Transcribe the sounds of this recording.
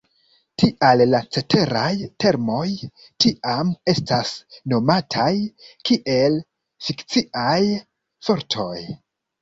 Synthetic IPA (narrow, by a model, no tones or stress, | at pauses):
tiʔalːat͡se̞te̞ɾajte̞ɾmo̞j | tiʔame̞stasno̞matʰajkiʔe̞l | fikt͡siʔaj | fo̞ɾtʰo̞j